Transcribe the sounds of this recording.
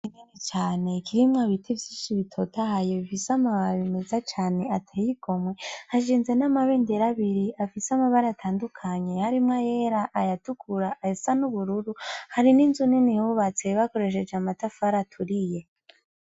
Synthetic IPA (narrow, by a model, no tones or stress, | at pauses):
ineɾet͡ʃaːne̞kiɾimŋaβitivjiːnʃiβitʰo̞tahajoβifisamaβaɾβime̞zat͡ʃaːne̞atʰejiɡo̞mwe̞haʃiːnze̞namaβe̞ːndeɾaβiɾiafisamaβaɾaatʰaːndukʰaɲe̞haɾimŋajeɾaʔːjatukʰuɾaʔːesanuβuɾuɾuhaɾininzuninihuβat͡se̞βako̞ɾe̞ʃ̬e̞d͡ʒeamatafaɾatʰuɾije̞